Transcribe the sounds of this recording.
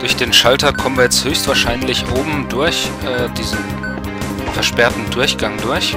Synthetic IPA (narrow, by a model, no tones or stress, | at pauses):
d̥ʊɐçd̥eːnʃaltɐkʰɔmənviːɐjɛt͡sthøːçstv̥aːɐʃaɪnlɪçʔoːbm̩dʊɐçʔɛːd̥iːzn̩ | fɛɐʃpɛɐtn̩dʊɐçɡ̥aŋdʊɐç